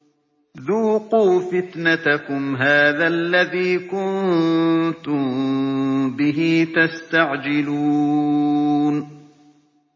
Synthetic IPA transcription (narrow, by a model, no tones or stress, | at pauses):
ðuːqɑwfɪt̪nat̪akʊmɦaːðaʔlːaðiːkʊn | t̪ʊm | bɪɦiːt̪ast̪aʕd͡ʒɪluː | n